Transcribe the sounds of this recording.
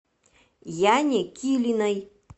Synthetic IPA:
janʲekʲʰilʲinaj

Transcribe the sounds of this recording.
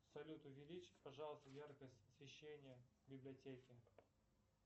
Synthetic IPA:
sɐlʲut̪ʊvʲɪlʲit͡ɕɪ̥tʲpɐʐɑlˠəst̪əjarkəsʲtʲəsvʲɪɕːenʲɪjə | bʲɪblʲɪɐtʲekʲɪ

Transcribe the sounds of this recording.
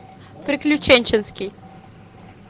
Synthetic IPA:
pɾʲɪklʲʊt͡ɕenʲt͡ɕɪnskʲɪj

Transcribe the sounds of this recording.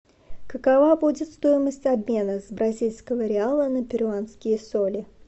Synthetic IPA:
kəkavabudʲɪt̪st̪o̞jɪməsʲtʲɐbmʲe̞nəzbɾɐzʲilʲskəvəɾʲɪalˠənəpʲɪɾʲʊanskʲɪjəsolʲɪ

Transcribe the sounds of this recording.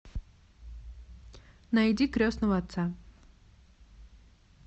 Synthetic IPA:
nɐjdʲikɾʲosnəvəɐt̪sa

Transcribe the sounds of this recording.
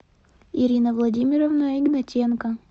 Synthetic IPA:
iɾʲinɐvlˠɐdʲimʲɪɾovnaiɡnɐt͡ʃʲɛnkɐ

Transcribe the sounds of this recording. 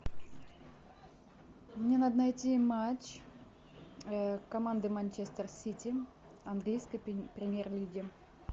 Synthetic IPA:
mnʲenad̪nɐjtʲimat͡ɕ | kɐmand̪ɨmanʲt͡ɕest̪ərsʲitʲɪ | ɐnɡlʲijskəjpɾʲɪmʲjerlʲiɡʲɪ

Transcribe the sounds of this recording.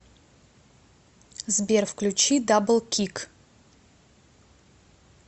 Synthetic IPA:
zbʲerfklʲut͡ɕid̪ablˠkʲʰik

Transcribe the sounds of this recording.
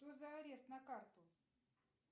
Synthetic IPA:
t̪ozɐɐɾʲest̪nɐkart̪ʊ

